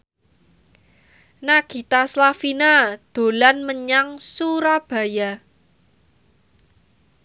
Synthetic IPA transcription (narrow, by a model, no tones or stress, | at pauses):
naɡ̥i̤t̪aslafinad̪̥o̤lanməɲaŋsuɾab̥ä̤ja